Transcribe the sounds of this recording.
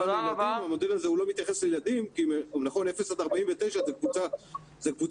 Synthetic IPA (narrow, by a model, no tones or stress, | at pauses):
aaaaamo̞d̪elalzehulomit̪jaχe̞slejelad̪imkimnaχo̞nefesad̪aʁbaimvet̪ejʃazekvut͡sa | zekvu